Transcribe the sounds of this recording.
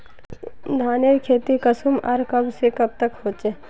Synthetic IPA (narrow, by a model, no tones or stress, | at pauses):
d̪ʱaːnekʰeːt̪ikɐsumɐɾkɐbsekɐb̚t̪əkhoːt͡ʃe